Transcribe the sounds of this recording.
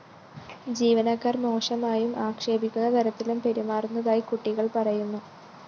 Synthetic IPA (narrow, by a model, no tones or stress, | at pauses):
d͡ʑiːʋɐnɐkːaːrmo̞ːʂɐmaːjumʔaːkʂe̞ːbikʲːunːɐt̪ʰɐɾɐt̪ːilumpe̞ɾumaːrunːɐðaːjikuʈːiɣɐɭpɐrɐjunːu